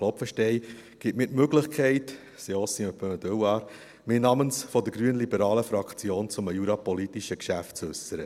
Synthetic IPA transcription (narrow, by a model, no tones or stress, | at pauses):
lɔpfəʃtɛɪɡ̥ɪtmiːtmøɡlɪχkʰɛɪt | seɔsiəpød̪øwɑːɾ | miːnɑmənsfɔdəɡɾyənlibəɾɑːləfɾɑkt͡sjoːnt͡sʊməjuɾɑpɔlit̪iʃəkʃæftt͡sʉsəɾə